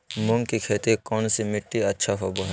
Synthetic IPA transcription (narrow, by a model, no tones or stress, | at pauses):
mʊ̃ŋkikʰeːt̪ikɔːnsemɪʈːiɐtːʃʰaɦoboɦ